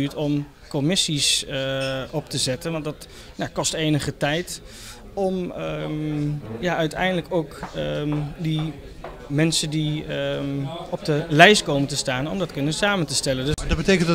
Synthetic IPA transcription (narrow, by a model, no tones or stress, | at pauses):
yːtɔm | kɔmɪsis | ʔɔp̚təzɛtənʋɑntdɑt | nakɔstejnəχətɛjt | ɔm | jaœɥtɛ̰jndələkowk | di | mɛnsəndi | ɔb̚dəlɛjskowməntəstaːnɔmdɑtkɵnənsaːməntəstɛləndd̚bətejkən